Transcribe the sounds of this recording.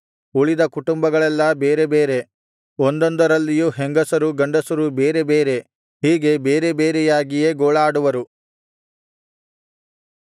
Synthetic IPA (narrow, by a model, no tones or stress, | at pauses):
uɭid̪ɐkuʈumbɐɡɐɭɛlːɐbeːɾe̞beːɾe̞ | ond̪ond̪ɐɾɐlːijuɦeŋɡɐsɐɾuɡɐɳɖɐsɐɾubeːɾe̞beːɾe̞ | ɦiːɡe̞beːɾe̞beːɾɛjaːɡije̞ɡoːɭaːɽuʋɐɾu